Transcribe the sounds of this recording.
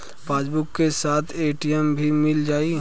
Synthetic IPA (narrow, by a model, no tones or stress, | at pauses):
paːsbʊkkːesaːt̪ʰeːʈijəmbʱimɪld͡ʒaːi